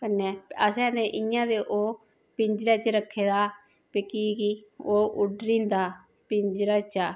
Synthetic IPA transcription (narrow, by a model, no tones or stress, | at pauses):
kənɛːəsɛ̃ːd̪ẽːʔɪjãːd̪eːʔoː | pɪɲd͡ʒɾaːt͡ʃɾəkʰːeːd̪aː | pekiːkiːoːʔʊɖɾĩːnd̪aː | pɪ̃ɲd͡ʒɾaːt͡ʃaː